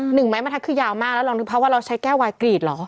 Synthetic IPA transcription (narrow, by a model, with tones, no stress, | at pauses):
nɯ˨˩ŋma˦˥jma˧nʰa˥kʰɯː˥˩jaː˧wmaː˥˩lɛ˦˥wlɔ˧ŋdɯ˧˩pʰɾɔ˥waː˥˩ɾa˧wt͡ɕʰa˦˥jkɛː˥˩waː˧jkɾiː˨˩t̪̚lɔː˩˦